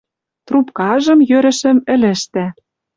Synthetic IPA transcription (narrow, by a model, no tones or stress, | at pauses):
t̪rupkɑʒɤ̆mjøɾɘ̆ʃɘ̆mɘ̆lɘ̆ʃt̪æ